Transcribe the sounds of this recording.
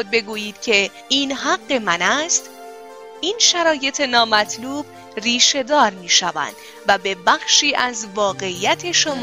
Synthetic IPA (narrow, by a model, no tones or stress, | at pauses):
od̪̚be̞ɡuːjiːd̪̥cʰe̞ | iːnɦæɡːe̞mænæst̪ | ʔiːnʃæɾɒːje̞t̪ʰe̞nɒːmæt̪ʰluːb̥ | riːʃe̞d̪ɒːɾmiːʃævæ̰nd̪̥ | væbe̞bæxʃiːʔæzvɒːɣe̞iːjæt̪ʰe̞ʃomː